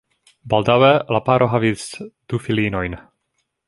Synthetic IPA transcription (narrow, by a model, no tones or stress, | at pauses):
baldawelapaɾʔo̞ɦavisd̥ufilino̞jn